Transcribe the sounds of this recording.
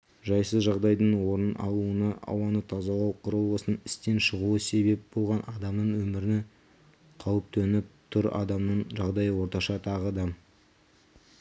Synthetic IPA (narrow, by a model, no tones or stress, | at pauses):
ʒɑjsəzʒɑʁd̪ɑjd̪əɴwo̞ɾənɑ̰lˠuənəɑ̰wɑnət̪ʰɑzɑlˠɑwqʰʊɾəlˠəsənɪst̪e̞nʃəʁuəse̞be̞p̚bo̞lˠʁɑnʔɑd̪ɑmnəɴwɵmɪɾɪne | qʰɑwəp̚t̪ʰɵnɪp̚t̪ʰʊɾɑ̰d̪ɑmnəɴʒɑʁd̪ɑjəwo̞ɾt̪ɑʃɑt̪ʰɑʁəd̪ɑ